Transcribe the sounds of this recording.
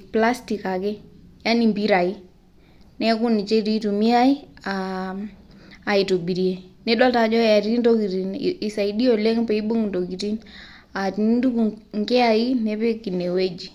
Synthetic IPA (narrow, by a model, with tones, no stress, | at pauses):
pla˦sti˨ka˨kɛ˦ja˦ni˨mbi˦ɾa˨i˦ | nɛ˦ku˦ni˨t͡ʃe˦ɾi˦tu˨mi˦a˦i˦a˨ | i˨to˨bi˨ɾi˨e˨nɛ˦ɗɔ˦ta˨d͡ʒɔ˦a˨ɾi˦ndo˦ki˨ti˨ni˨sa˨i˨di˦o˨le˦ŋpe˨i˦ɓu˦ŋndo˨ɡi˨ti˦n | a˨ti˨n˦du˦ku˨ŋɡɛ˦a˨i˦nɛ˦pɛ˦ki˨ne˨we˦d͡ʒi˨